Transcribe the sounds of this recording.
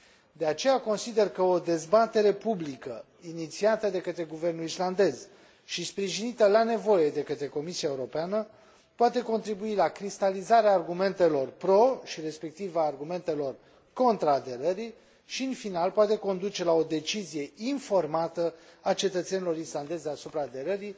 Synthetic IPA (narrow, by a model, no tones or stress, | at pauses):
d̪e̞at͡ʃe̞jako̞nsid̪e̞rkəo̞d̪e̞zbat̪e̞ɾe̞publikə̰ | init̪siat̪əd̪e̞kət̪ɾe̞ɡuve̞rnulisland̪e̞z | ʃispɾiʒinit̪əlane̞vo̞je̞d̪e̞kət̪ɾe̞ko̞misiaeuɾo̞peanə | poat̪e̞ko̞nt̪ɾibuilakɾist̪alizaɾeaːrɡume̞nt̪e̞lo̞rpɾo̞ʃiɾe̞spe̞k̚t̪ivaːrɡume̞nt̪e̞lo̞r | ko̞nt̪ɾaːd̪e̞ɾəɾi | ʃiɨnfinalpoat̪e̞ko̞nd̪ut͡ʃe̞lao̞d̪e̞t͡ʃizije̞info̞rmat̪əat͡ʃe̞t̪ət̪se̞nilo̞ɾisland̪e̞zeasupɾaːd̪e̞ɾəɾi